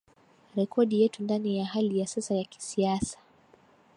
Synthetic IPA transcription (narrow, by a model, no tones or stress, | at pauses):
ɾɛkʰɔɗijɛtundanijaɦalijasɛsajaki̥siasḁ